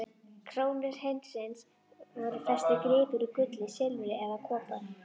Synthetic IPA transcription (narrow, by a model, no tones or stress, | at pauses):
kʰɾoːwnɪɾ̥hejnt̪sɪns | vɔɾʏfɛr̥st̪ɪkɾɪːpʏɾikʏt̪lɪsɛlʏɛðakʰɔːpa